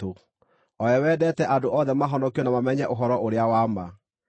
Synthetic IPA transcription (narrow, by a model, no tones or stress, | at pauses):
o | ɔjɛwɛːdɛtɛʔadoʔɔðɛmaɦɔndɔkijɔnamamɛɲɛʔoɦɔɾɔʔoɾeawama